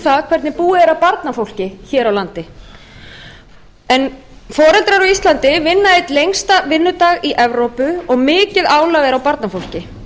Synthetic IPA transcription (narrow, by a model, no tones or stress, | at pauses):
θakʰv̥ɛɾt̪nɪpuːɪɛɾawpaɾt̪nafowl̥cɪçɛːɾawlant̪ɪ | ɛn | fɔːɾɛlt̪ɾaɾawist̪lant̪ɪvɪnːaɪt̪lejŋst̪avɪnːʏt̪aːɣiʔɛvɾowpʏɔɣmɪːcɪðaːwlavɛɾawpaɾt̪nafowl̥cɪ